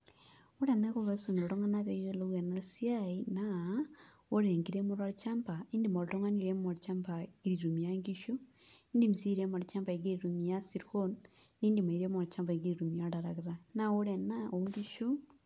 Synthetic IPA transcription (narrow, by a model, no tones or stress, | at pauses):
oɾenekoβasuniɾoɾoŋanaβejoeloɣwanasiaina | oɾeŋɡiɾemoɾaɾt͡ʃaːmpaindimoɾtoŋaniɾemoɾt͡ʃampaɡiɾiɾumijaŋɡiʃu | indimisiɾemoɾit͡ʃampaiɡiɾiɾumijasiɾxon | niːndimaiɾemoɾt͡ʃampaiɡiɾiɾumiaɾaɾaɣiɾanaoɾenaoŋɡiʃu